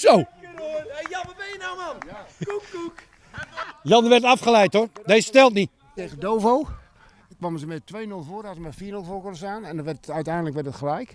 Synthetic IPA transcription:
sow | jɑʋəbɪjənamankukuk | jɑnəʋɛrtafχəlɛjtordesəstɛlˠt̬nit | tejɣədowvow | kːʋɔməsəmɛtʋejnølˠvoːəɾasəmɛfiːrnølˠfoːkɔnəsaːnɛndɔʋɛrtœɥtɛjndələkʋɛrtdətχəlɛjk

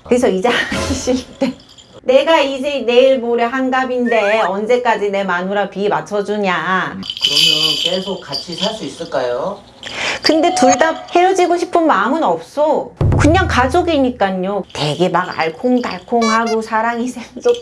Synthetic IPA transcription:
kɯɾes̬ʰʌid͡ʑeaniɕ͈iɭt͈e̞ | ne̞ɡaid͡ʑe̞ne̞iɭmoɾjʌɦanɡabinde̞ʌnd͡ʑe̞k͈ad͡ʑine̞manuɾapiːmat͡ɕʰʌd͡ʑuɲakɯɾʌmjʌntesʰokat͡ɕʰisʰaɭs͈uis͈ɯɭk͈ajo | kɯnde̞tuɭdap̚he̞ʌd͡ʑiɡoɕʰi̥pʰɯnmaɯmɯnʌp̚s͈okuɲaŋkad͡ʑoɡiɲik͈aɲote̞ɡe̞maɡa̰ɭkʰoŋda̰ɭkʰoŋɦaɡosʰaɾaŋisʰeŋs͈o

